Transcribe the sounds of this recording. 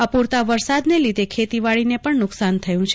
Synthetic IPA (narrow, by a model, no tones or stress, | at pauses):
əpuɾt̪aʋəɾsad̪nelid̪ʱekʰet̪iʋaɭinepəɳnʊksant̪ʰəjũt͡ʃʰ